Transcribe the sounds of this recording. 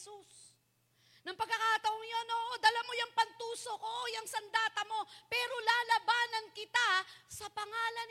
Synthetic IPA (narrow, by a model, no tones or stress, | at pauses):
sus | nɐŋpɐɡ̚ɐkaːt̪ɐʔoŋjonoːʔod̪ɐlamo̞jɐŋpɐnt̪uːso̞ko̞ʔjɐŋsɐnd̪aːt̪ɐmo̞pɛːɾo̞laːlɐbaːnɐnkɪt̪asɐpɐŋaːlɐn